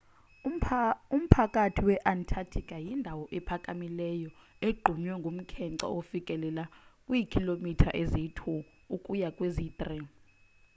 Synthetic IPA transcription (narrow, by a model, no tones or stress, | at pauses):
um̩pʰakʼatʰiwɛʔantʰatʰikʼajindʱawɔʔɛpʰakʼamilɛjɔ | eɡ͡ǃʱuɲwɛŋɡʱom̩kʰɛǀa̰ofikʼɛlɛlakʼwikʰʼilomitʰa̰ʔezitʰu | ukʼujakʼweziːt̪ʼri